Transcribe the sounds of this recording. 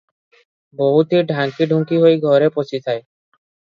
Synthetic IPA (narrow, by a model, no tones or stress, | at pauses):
boɦut̪iɖʱaŋkiɖʱuŋkiɦojɡʱɔɾepost͡ɕit̪ʰae